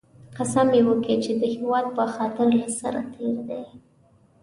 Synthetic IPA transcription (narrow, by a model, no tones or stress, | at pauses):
qasamjewəket͡ʃed̪əhɪwɑd̪̚pəxɑt̪ɪɾlasa̰ɾa̰t̪ʰeɾd̪ej